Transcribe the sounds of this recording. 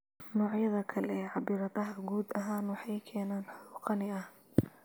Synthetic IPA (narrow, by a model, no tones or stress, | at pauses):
nɔːʕjɐðɐkʰɐlɛʕɑbɪːɾɐðɐɦɐɡuːd̪ɐɦaːnwɑħɑjkʰɛːnaːnħʊuːqɑnɪɐh